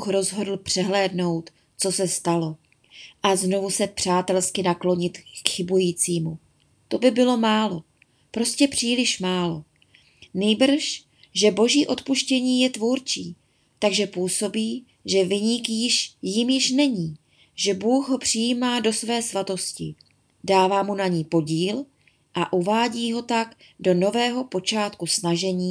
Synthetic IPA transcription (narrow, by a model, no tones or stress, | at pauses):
xɾo̞zɦo̞dl̩pr̥ɛɦlɛːdno̞wt̪ | t͡so̞sɛst̪alo̞ | ʔazno̞vusɛpr̝̥aːt̪ɛlskɪnaklo̞ɲɪt̪kxɪbujiːt͡siːmu | t̪o̞bɪbɪlo̞maːlo̞ | pɾo̞scɛpr̝̥iːlɪʃmaːlo̞ | niːbr̩ʃ | ʒɛbo̞ʒiːʔo̞t̪puʃcɛɲiːjɛt̪vuɾt͡ʃiː | t̪aɡʒɛpuːso̞biː | ʒɛvɪɲɪkjɪʃjɪmjɪʃnɛɲiː | ʒɛbuːxɦo̞pr̝̥ɪjiːmaːdo̞svɛːsvat̪o̞scɪ̰ | daːvaːmunaɲiːpo̞ɟiːl | ʔaʔuvaːɟiːɦo̞t̪aɡ | do̞no̞vɛːɦo̞po̞t͡ʃaːt̪kusnaʒɛɲiː